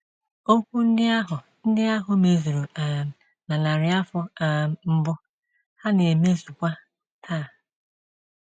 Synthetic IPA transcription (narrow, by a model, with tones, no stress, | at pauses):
o˦kʷu˦n̩˦dɪ˦a˦ɦʊ˨ | n̩˦dɪ˦a˦ɦʊ˦me˨zu˨ɾu˨a˨ | na˨la˨ɾɪ˨a˦fɔ˦a˨m̩˦bʊ˦ | ha˦ne˨e˨me˦zu˨kʷa˦ | tʰaː˦˨